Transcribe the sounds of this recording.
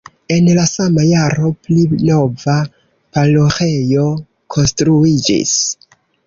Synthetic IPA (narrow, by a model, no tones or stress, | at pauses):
e̞nlasamajaɾo̞plino̞va | paloxe̞jo̞ | kʰo̞nstɾuid͡ʒḭs